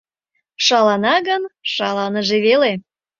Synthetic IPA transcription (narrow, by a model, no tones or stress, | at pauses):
ʃɑlɑnɑɣənʃɑlɑnəʒeβele